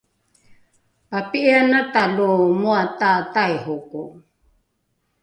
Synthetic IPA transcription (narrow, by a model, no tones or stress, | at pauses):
papiʔianatalumuatatajhuku